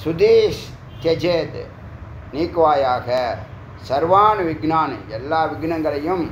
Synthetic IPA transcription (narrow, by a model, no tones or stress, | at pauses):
sud̪iːʃ | t̪jɐd͡ʒeːd̪ | niːkʋaːjaːkɐ | sɐɾʋaːnʋiɡnaːn̰jɛlːaːʋiɡnɐŋɡɐɾɐjum